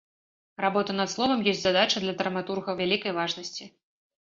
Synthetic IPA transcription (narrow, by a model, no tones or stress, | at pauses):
rabɔt̪ɐnɐt̪slˠɔvɐmjɔsʲtʲzad̪at͡ʂɐd̪lʲɐd̪ɾɐmat̪urɣɐwvʲalʲikɐjvaʐnɐsʲt͡sʲi